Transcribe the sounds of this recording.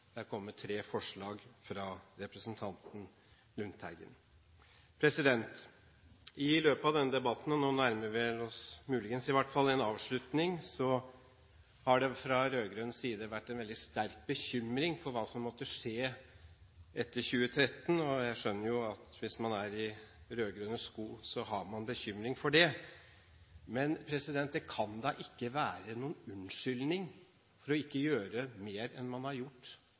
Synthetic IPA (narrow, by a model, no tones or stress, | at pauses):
d̪̥æɾkʰɔmːəʈʰɾeːfɔʂɭɑːɡfɾɑɾɛpɾəsənt̪ʰɑnt̪n̩ | lʉnt̪ʰæ̰ɾɡə̰n | pʰɾɛsɪd̪ɛnt̪ | ɪløːpəɑʋd̪ɛnːəd̪ɛbɑt̪n̩noːnæɾməɾʋɛlɔsmʉːlɪɡənsɪʋæʈːfɑlːɛnɑːʋʂɭʉt̪nɪŋsɔ | hɑɖɛfɾɑɾøːɡɾœnsiːd̪əʋæʈːɛnʋɛld̪ɪst̪æɾk̚bəçʏmɾɪŋfɔɾʋɑːsɔmːɔt̪ːəʂeː | ʔɛt̪ːəɾçʉːət̪ʰɾɛt̪ːənɔjæɪʂœnːəɾjʊɑt̪ʋɪsmɑnæɾɪɾøːɡɾœnəskuːsɔɦɑɾmɑnbəçʏmɾɪŋfɔɖɛ | mɛnpʰɾɛsɪd̪ɛnt̪̚d̪ɛkʰɑnd̪ɑːʔɪkːəʋæːɾənuːnʉnʂʏlnɪŋ | fɔɾɔɪkːəjøːɾəmeːɾɛ̰nmɑnhɑɾjʊʈː